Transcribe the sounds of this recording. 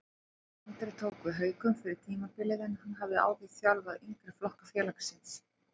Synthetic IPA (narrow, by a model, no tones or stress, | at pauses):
ɛnt̪ɾɪt̪ʰoːwkvɪɦœːɥkʏmfɪɾɪɾ̥t̪ʰiːmapɪlɪðɪnhanːɦavðɪa̰ːwɣɪθjawlvaðiŋkɾɪflɔhkafjɛːlaksɪns